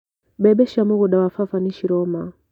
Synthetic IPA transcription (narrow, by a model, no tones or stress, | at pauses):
bɛɓɛʃamuɣuɗawafafaniʃiɾɔma